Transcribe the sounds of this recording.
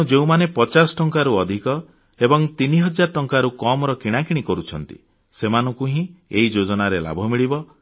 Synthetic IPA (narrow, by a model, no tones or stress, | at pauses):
ud͡ʒeũmanepɔt͡ʃasɔ̥ʈɔŋkaɾuɔd̪ʱikɔ | ebɔŋt̪iniɦɔd͡ʒaɾɔʈɔŋkaɾukɔmɾɔkiɽ̃akiɽ̃ikɔɾut͡ʃʰɔnt̪ḭ | semanɔŋkuɦĩeid͡ʒod͡ʒɔnaɾela̰bʱɔmiɭibɔ